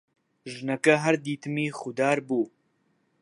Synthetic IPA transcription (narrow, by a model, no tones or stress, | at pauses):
ʒɨnɐkɐɦɐɾd̪iːt̪ɨmiːxud̪aːɾbuː